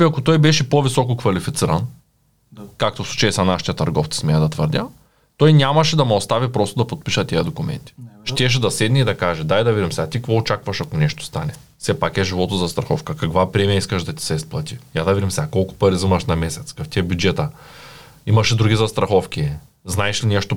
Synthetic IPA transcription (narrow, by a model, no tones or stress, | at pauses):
iɐkot̪ɔjbɛʃɛpovisɔkokvɐlifit̪siɾɐn | kak̚t̪ofsu̥t͡ʃɛsɐnaʃi̥t̪ɐt̪ɐɾɡɔft̪si̥smɛɛd̪ɐt̪vəɾd̪ʲa | t̪ɔjnʲamɐʃɛd̪ɐmɛost̪avipɾɔst̪od̪ɐpot̪̚piʃɐt̪iɐd̪okʊmɛ̰nt̪i̥ʃt̪ɛʃ̬ɛd̪ɐsɛd̪niːd̪ɐkaʒɛd̪ajd̪ɐvid̪ʲimsɛat̪ikvɔot͡ʃakvɐʃɐkonɛʃt̪o̥st̪anɛ | fsɛpakɛʒivɔt̪ozɐst̪ɾɐxɔ̰fkɐkɐkvapɾɛmijaiskɐʃd̪ɐt̪i̥sɛisplˠɐt̪ijad̪ɐvid̪ʲimsɛakɔlˠkʊ̥pɐɾizəmɐʃnɐmɛsɛt̪skaft̪iɛbʲjud͡ʒɛt̪ɐ | imɐʃɛd̪ɾuɡʲizɐst̪ɾɐxɔfkʲiɛ | znaɛʃlinɛʃt̪o